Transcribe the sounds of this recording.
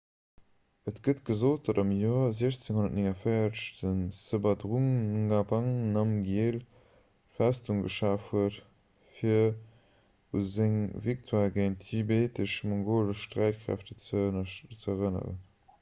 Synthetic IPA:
ətɡ̥ətɡ̥əzoːt̚d̥ɑdɑmjɔːɐzeəɕt͡seŋhonɐtniŋɐfəɪɐʃtənsəbɐdʁuŋɡavaŋnɑmɡjeːl | fæstuŋɡə̰ʃaːfhuət | fiɐ | ṵzeŋviktʰwalɡeɪntʰibeːtəʃmɔŋɡoːləʃʃtʁæɪt̚kχæ̰ftə | t͡səʁənə̰ʁə̰n

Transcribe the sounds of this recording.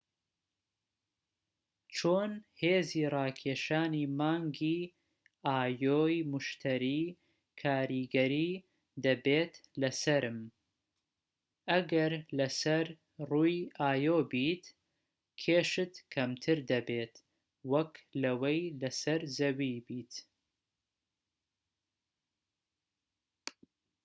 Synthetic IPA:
t͡ʃʰoːnheːziːrɑːkʰeːʃaːniːmaːŋɡiː | aːjoːjmʊʃt̪ʰɐɾiː | kʰaːɾiɡɐɾiː | d̪ɐbeːt̪lɐsɐɾɨm | ʔɐɡɐɾlɐsɐɾ | ruːjʔaːjoːbiːt̪ | kʰeːʃɨt̪kʰɐmt̪ʰɨɾd̪ɐbeːt̪ | wɐklɐwɐjlɐsɐɾzɐwibiːt̪

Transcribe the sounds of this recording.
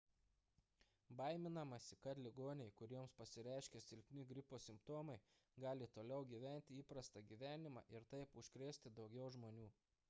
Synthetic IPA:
bɐɪmʲɪnɐmɐsʲɪkɐt̪lʲɪɡoːnʲɛɪkʊɾʲiɛmspɐsʲɪɾʲæˑɪʃʲkʲɛsʲɪlʲpʲnʲɪɡɾʲɪpoːsʲɪmpt̪oːmɐɪ | ɡɑːlʲɪt̪oːlʲɛʊɡʲiːʋʲæˑnʲt̪ʲɪiːpɾɐst̪ɐɡʲiːʋʲæːnʲɪmɑ̰ːʔɪɾt̪ɐɪpʊʃʲkɾʲeːsʲt̪ʲɪd̪ɒʊɡʲɛʊʒmoːnʲuː

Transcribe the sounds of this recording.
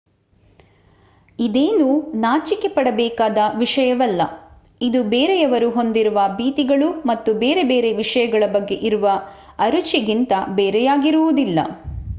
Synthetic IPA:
id̪eːnuːnaːt͡ʃike̞pɐɽɐbɛːkaːd̪ɐʋiʂɐjɐʋɐlːɐ | id̪ubeːɾejɐʋɐɾuɦo̞nd̪iɾuʋɐbiːt̪iɡɐɭumɐt̪ːubeːɾe̞be̞ːɾe̞ʋiʂɐjɐɡɐɭɐbɐɡːe̞ʔiɾuʋɐ | ɐɾut͡ʃiɡint̪ɐbeːɾɛjaːɡiɾuʋud̪ilːɐ̰

